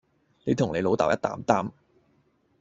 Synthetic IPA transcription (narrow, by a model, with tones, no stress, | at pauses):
le˨˧jt̪ʰʊ˨˩ŋle˨˧jlo˨˧wt̪aː˨wjɐ˥t̚t̪a̰ː˨˥mt̪aː˥m